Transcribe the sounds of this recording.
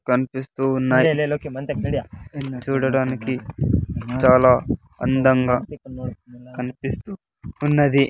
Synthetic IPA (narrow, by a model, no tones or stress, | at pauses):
kɐnipist̪uːunːaːleloːkemɐnt̪eiat͡ʃuːɽɐɽaːniki | t͡ʃaːlaː | ɐ̰nd̪ɐŋɡaː | kɐnipist̪uː | nːɐd̪i